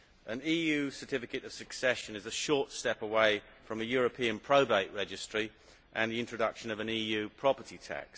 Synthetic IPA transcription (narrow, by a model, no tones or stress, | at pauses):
ʔə̃niːjʉːsə˞tʰɪfɪkətəv̥səksɛʃə̃nɪzəʃɔˑtstɛpəweɪ | fɹə̃məjɔːɹəpʰĩə̃npʰɹ̥əʊbeɪʔɹɛd͡ʒɪstɹ̥i | ʔə̃nðiɪ̃nt͡ʃɹ̥ədʌkʃə̃nəvə̃niːjʉːpʰɹ̥ɒpətitʰa̰ks